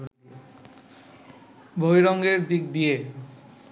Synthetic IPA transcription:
bʱojɾɔŋɡeɾd̪ik̚d̪ije

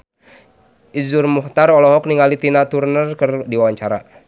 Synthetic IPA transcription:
ʔizurmuht̪aɾɔlɔɦɔk̚niŋalit̪inat̪urnərkərdiwawaɲt͡ʃaɾa

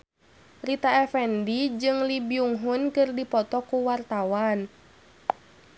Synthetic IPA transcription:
rit̪aɛfɛndid͡ʒɨŋlibiuŋɦunkɨrdipɔt̪ɔkuwart̪awan

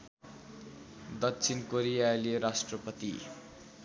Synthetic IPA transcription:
d̪ʌkt͡sʰinkoɾijaeleɾasʈrʌpʌt̪i

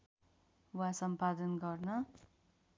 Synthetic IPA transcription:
wasʌmpad̪ʌnɡʌrnʌ

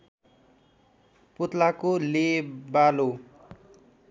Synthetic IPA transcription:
put̪lakolebalo

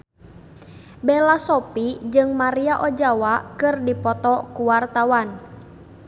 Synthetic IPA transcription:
bɛlasɔpid͡ʒɨŋmaɾiaʔɔd͡ʒawakɨrdipɔt̪ɔkuwart̪awan

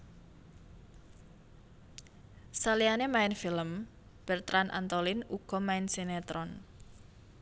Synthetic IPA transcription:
salianemaɪnfiləm | b̥ɛrt̪ɾʔanʔa̰nt̪olɪnuɡ̥ɔ̤maɪnsinet̪ɾɔn

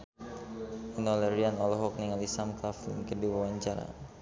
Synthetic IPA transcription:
inɔlɛɾianɔlɔɦɔk̚niŋalisamkafkədiwawaɲt͡ʃaɾa̰

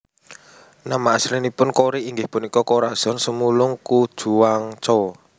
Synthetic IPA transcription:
namaslinipʊnkoɾiʔiŋɡɪhpunikɔkoɾḁz̥ɔ̤nsəmulʊŋkud̥ʒ̥ṳwaŋt͡ʃɔ

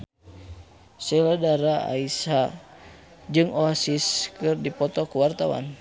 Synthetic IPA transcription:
sɛladaɾaa̰isa | d͡ʒɨŋoasiskɨrdipɔt̪ɔkuwart̪awa̰n

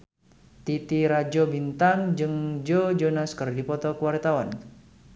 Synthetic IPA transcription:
t̪it̪iɾad͡ʒobint̪aŋd͡ʒɨŋd͡ʒod͡ʒonaskɨrdipɔt̪ɔkəwart̪awan

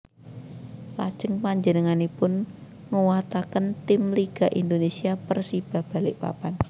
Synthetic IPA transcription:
pa̰d̥ʒ̥əŋpaɲd͡ʒənəŋanipʊn | ŋəwat̪akənt̪ɪmliɡ̥a̤ʔind̪onesiapərsib̥a̤hb̥a̤lɪʔpa̰pan

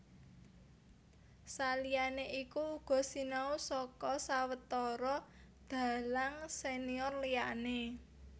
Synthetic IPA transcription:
salijaneʔikuːɡ̥ɔ̤sinausɔkɔsawət̪ɔɾɔ | d̪̥a̤laŋseniɔrlijane

